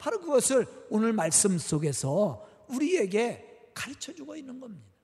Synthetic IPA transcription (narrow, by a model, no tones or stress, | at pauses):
paɾokɯɡʌsʰɯɾonɯɭmaɭs͈ɯms͈oɡe̞sʰʌ | uɾie̞ɡe̞kaɾɯt͡ɕʰʌd͡ʑuɡoinːɯnɡʌmɲida